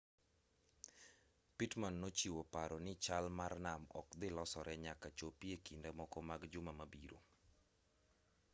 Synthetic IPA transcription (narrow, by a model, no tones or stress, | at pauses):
pitmanːot͡ʃiwopaɾɔnɪt͡ʃalmarnamɔ̰kd̪ɪlɔsɔɾʔɛɲakat͡ʃopiekindɛmɔkɔmaɡd͡ʒʊmamabiɾo̰